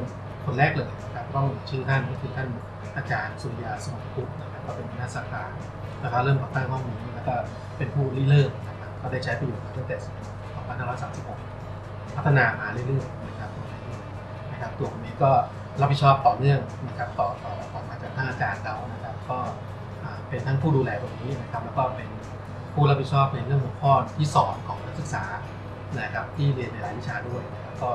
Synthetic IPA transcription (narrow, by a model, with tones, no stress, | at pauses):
n | kʰo˧nɾɛː˥˩k̚lɤː˧˩jna˦˥kʰa˦˥p̚kɔː˥˩miː˨˩t͡ɕʰɯː˥˩t̪ʰa˥˩nkɔː˥˩kʰɯː˧t̪ʰa˥˩n˩ | ʔaː˧kaː˧nsuː˧li˧jaː˧sa˨˧ma˨˩k̪ʰu˦˥t̪̚na˦˥kʰa˦˥p̚kɔː˥˩pe˧npʰa˧˩tʰa˦˥sa˨˩kaː˧n | t̪a˧˩kʰaː˥˩ɾɤː˥˩mka˨˩t̪aː˥˩ŋhʰɔ˥˩ŋniː˧˥ni˥˩lɛː˦˥kɔː˥˩ | pe˧npʰuː˥˩liː˥˩lɯː˥˩ŋ̚na˦˥kʰa˦˥p̚kɔː˥˩daː˥˩jt͡ɕʰa˦˥pa˧juː˨˩maː˧˩ɯ˥˩ŋt̪ɛː˨˩si˨˩˨ | sʰɔː˨˩˦pʰa˧nhaː˥˩ɾɔː˦˥jsaː˨˦msi˨˩p̚ho˨˩k̚ | pʰa˦˥t̪ʰːa˧naː˧maː˧lɯ˥˩lɯ˥˩əjna˦˥kʰa˦˥p̚t̪u˧˩na˨˩˦lɯ˥˩ | na˦˥kʰa˦˥p̚t̪u˧˩əkʰa˧nːiː˦˥kɔː˥˩ | ɾa˦˥pʰːi˨˩t͡ɕʰɔː˥˩p̚t̪ɔː˨˩nɯ˥˩əŋna˦˥kʰa˦˥p̚t̪ɔː˨˩t̪ɔː˨˩˥kʰɔː˨˩maː˧˩t͡ɕa˨˩kt̪ʰaː˥˩ŋʔaː˧kaː˧nla˧wna˦˥kʰa˦˥p̚kɔː˥˩ | ʔaː˨˩pe˧nt̪ʰa˦˥˩pʰuː˥˩duː˧lɛː˧ʔaː˨˩k̚niː˦˥na˦˥kʰa˦˥p̚lɛː˦˥kɔː˥˩pe˧n | pʰuː˥˩ɾa˦˥pʰːi˨˩t̪t͡ɕʰɔː˥˩p̚na˧ɾɯ˥˩əŋʰɔ˨˩˦pʰɔː˥˩t̪t̪ʰiː˥˩sɔː˩˦nkʰɔː˩˦ŋnʰa˦˥k̚sɯ˨˩k̚saː˩˦ | na˦˥kʰa˦˥p̚t̪ʰiː˥˩li˧ənɾa˧laː˦˥jwi˦˥t͡ɕʰaː˧du˥˩əjna˦˥ka˦˥p̚kɔː˥˩